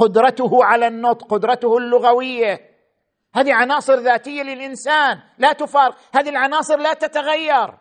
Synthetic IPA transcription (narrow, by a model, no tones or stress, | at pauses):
qʊd̪ɾˤɑt̪ʊhʊʕalanːʊt̪ˤqʊd̪ɾˤɑt̪ʊhʊlːʊɣawɪjːa | haːðiʕanɑːsˤɨɾðaːt̪ɪjːalɪlʔɪnsaːn | lat̪ʊfɑːɾɪqhaːðilʕanɑːsˤɨɾlat̪at̪aɣajːɑɾˤ